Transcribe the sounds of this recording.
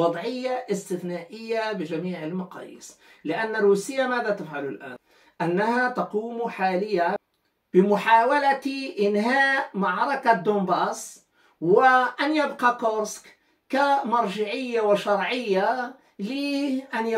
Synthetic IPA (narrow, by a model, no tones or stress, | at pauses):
ɑd̪ˤʕɪjːaʔɪst̪ɪθnaːʔɪjːabɪʒamiːʕɪlmɑqɑ̰ːjːɪ̰slɪʔanːaɾˤuːsɪjːamaːðat̪afʕalʊlʔa̰ːn | ʔanːahat̪ɑquːmħaːlɪjːa | b̥ɪmʊħaːwalaʔɪnɦaːʔmaʕɾˤɑkad̪oːmbɑːs | wɪʔanjabqɑkoɾsk | kamɑɾˤʒɪʕɪjːawɪʃɑɾˤʕɪjːa | liʔanj